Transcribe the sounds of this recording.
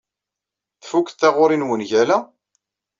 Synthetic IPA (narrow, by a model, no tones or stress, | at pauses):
θfukθθæʁʊɾinwənʝælæ